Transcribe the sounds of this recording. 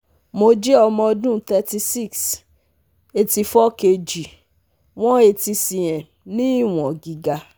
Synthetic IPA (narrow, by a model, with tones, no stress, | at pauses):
mo˧d͡ʒe˦ɔ˧mɔ̃˧dũ˦t̪ɛ˧ti˧si˦˨ks | e˧ti˧fɔ˦ke˧d͡ʒi˨ | w̃ɔ̃˦e˧ti˧sĩ˨jɛ̃˨ | nĩ˦˨w̃ɔ̃˨ɡi˨ɡa˧